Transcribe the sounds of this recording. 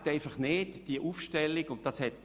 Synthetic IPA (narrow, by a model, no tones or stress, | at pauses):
taɪfɑχneːtd̥iəʔuːfʃtɛlːikʊnt̚d̥ɑshɛt̚